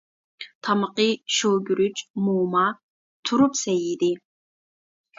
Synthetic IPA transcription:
t̪ʰamɨqiʃowɡʲyɾyt͡ʃʼmuːma | t̪ʰuɾupsɛjid̪i

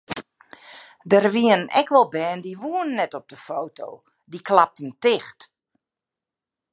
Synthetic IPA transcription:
dərʋiənnɛ̰kʰʋɔlˠbɛːndiʋuənnːɛtɔp̚dəfoːtʰo̰ː | dikʰlap̚təntɪxt

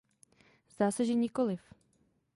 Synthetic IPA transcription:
zd̪aːsɛʒɛɲɪkolɪf

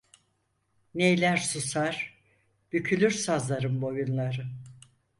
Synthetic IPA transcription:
nejlʲæɾsusaɾ̥ | b̥ycʰylʲyɾsazlˠaɾɯmbo̞junlˠaɾɯ

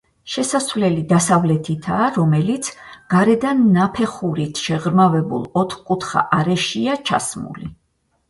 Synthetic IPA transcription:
ʃɛsasvlɛlid̪asavlɛt̪ʰit̪ʰaːɾɔmɛlit̪sʰɡ̥aɾɛd̪anːapʰɛχuɾit̪ʰʃɛʁɾmavɛbṵlˠɔt̪ʰχkʼut̪ʰχa̰ʔaɾɛʃiat͡ʃʰa̰smṵli

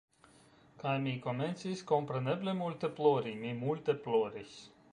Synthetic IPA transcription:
kajmʲiːkɔnent̪sʲiskɔmpɾenɛblʲemulʲt̪eplˠoːɾimimulʲt̪eplˠɔːɾisʲ

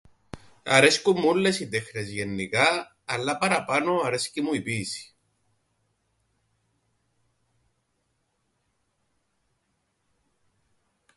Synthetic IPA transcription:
ɐ̰ɾeskumːulːesit̪exnezʝe̞nːikɐː | lːɐpɐɾɐpɐno̞ɐɾescimuipiːsi̥

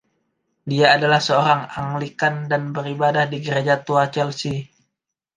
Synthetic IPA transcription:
diaːdalahsəoɾaŋaŋlikandanbəɾibadahdiɡəɾed͡ʒat̪uat͡ʃɛlsi

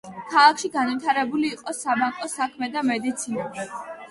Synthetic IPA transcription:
kʰalˠakʰʃiɡanvit̪ʰaɾɛbuliːqʼɔsabaŋkʼɔsakʰmɛd̪amɛd̪it̪sʰina

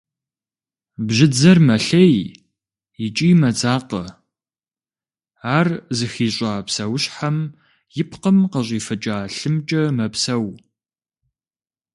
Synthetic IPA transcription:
bʑɪd͡zɐrmɐɬej | ɪt͡ʃʼiːmɐd͡zaːqə | aːrzɨxiːɕʷʼaːpsɐwɕħam | jɪpʰqəmqɐɕʼiːfɐt͡ʃʼaːɬɨmt͡ʃʼɐmɐpsɐw

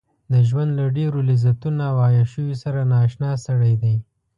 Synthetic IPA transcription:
d̪əʒwand̪laɖeɾolizat̪unawɑjaʃəwisaɾanɑːʃnɑsaɽajd̪aj

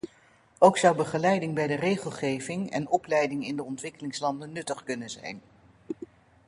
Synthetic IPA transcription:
owksʌwbəχəlɛjdɪŋbɛjdərejχəlˠχejvɪŋɛ̰nɔplɛjdɪŋɪndəɔntʋɪkəlɪŋslɑndənːɵtəχkɵnənzɛ̰jn

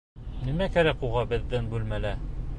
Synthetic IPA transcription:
nimækæɾækuʁɑbɘ̆ðːɘnbʉlmælæ

